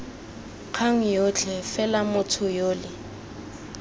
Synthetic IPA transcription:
q͡χʰaŋ̩jot͡ɬʰʼɛfɛlamʊtʰʊjoːlɪ

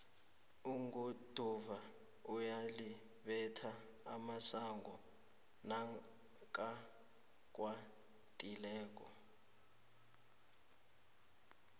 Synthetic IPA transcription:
uŋɡud̥ʱuva | ujali | ɓɛtʰa | amasaŋɡɔ | na | k̬ʼa | k̬ʼwa | tʼilɛːk̬ʼɔ

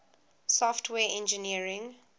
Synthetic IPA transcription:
sɔftʰwɛːɛ̃nd͡ʒəniəɹɪ̃ŋ

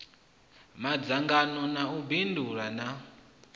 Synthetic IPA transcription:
mad͡zaŋɡanɔnaubinduɾana

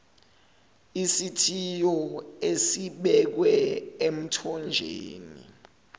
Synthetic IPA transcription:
isitʰijɔesiɓɛk̬wɛem̩tʰɔnd͡ʒʱḛːnḭ

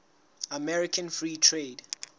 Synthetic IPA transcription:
amɛɹikʰãnfɹiːtʰɹeːd

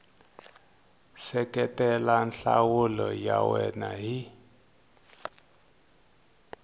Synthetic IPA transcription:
sɛkɛtɛlanɬawulɔjawɛnaɦi

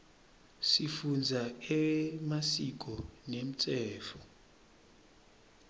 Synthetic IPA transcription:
sifund͡zʱaɛmasik̬ʼɔnem̩t͡sʼɛːfɔ

